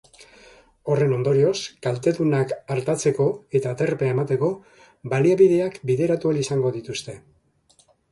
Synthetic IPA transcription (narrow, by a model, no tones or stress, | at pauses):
o̞re̞no̞nd̪o̞ɾio̞skalt̪e̞ðunakaɾt̪at͡se̞ko̞e̞t̪aːt̪e̞rpeae̞mat̪e̞ko̞ | baliaβið̞e̞akbiðe̞ɾat̪ualisaŋɡo̞ðit̪ust̪e̞